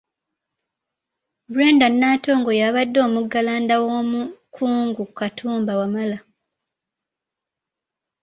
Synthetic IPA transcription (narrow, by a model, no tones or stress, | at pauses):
buɾeːndanːaːto̞ːŋɡo̞jaβadːo̞ːmuɡːalaːndawoːmukʰuːŋɡukatʰuːmbawamala